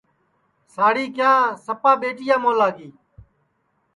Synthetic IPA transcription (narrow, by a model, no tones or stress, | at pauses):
saːɽiːkɪjãːsəpaːɓeːʈɪjãːmõːlaːɡiː